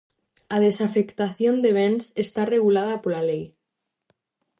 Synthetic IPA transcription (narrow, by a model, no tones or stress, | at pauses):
að̞esafekt̪aθjond̪eβ̞ensest̪areɣulað̞apolalej